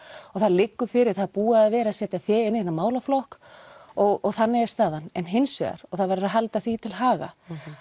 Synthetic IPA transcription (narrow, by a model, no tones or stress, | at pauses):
ɔɣθaðlɪkːʏfɪɾɪɾ̥θaðpuːaðavɛːɾasjɛːt̪aθɛːɪnːɪhɪnːamaːwlaflɔhkɔɣɔɣθanːɪɛst̪aːðanɛnɦɪnsɛ̰ɣa̰ɾ̥ɔɣθaðvaɾɪɾaɦalt̪aθvit̪ʰɪlɦaːɣa̰